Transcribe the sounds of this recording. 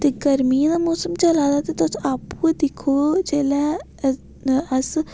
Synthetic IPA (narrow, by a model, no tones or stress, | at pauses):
t̪eːɡəɾmiːd̪aːmoːsəmt͡ʃəlaːd̪aːt̪eːt̪ʊsaːpued̪ɪkʰːoːd͡ʒeːlɛː | əs